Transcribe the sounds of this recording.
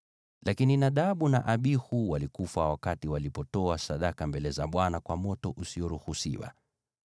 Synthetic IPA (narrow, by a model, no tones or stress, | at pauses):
lakininaɗaɓunaʔaɓihuwalikufawakatiwalipɔtɔasaɗakambɛlɛzaɓwanakwamɔtɔʔusiɔɾuhusḭwa̰